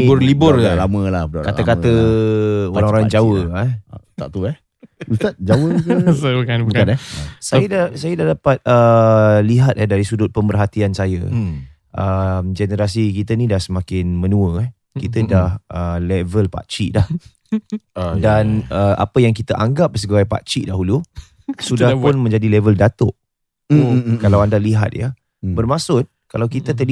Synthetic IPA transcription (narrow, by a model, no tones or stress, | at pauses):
iʊrlibʊralamə̃lahkaəkat̪ə | oɾãŋoɾaŋd͡ʒawəɛut̪aʔt̪uɛh | ust̪at̪̚d͡ʒawək̪aukabanɛsajədasajədahdapat̪̚əliɦat̪̚ɛdaɾisudʊt̪̚pəmbərɦat̪iansajə̰ | ʔəmd͡ʒɛnəɾas̬ik̬it̪ənĩdahsəmãkɪnmənũə | kit̪ədahəlɛvəlpa̰t͡ʃḭdah | danəʔa̰pəjaŋk̬it̪aʔaŋɡap̚səɡaajpa̰t͡ʃiʔdaɦulu | sudahpʊnmə̃ɲd͡ʒadilɛvəldat̪ʊʔ | kalawandaliɦa̰t̪̚jə | bərmãsʊt̪̚kalawkit̪ət̪əl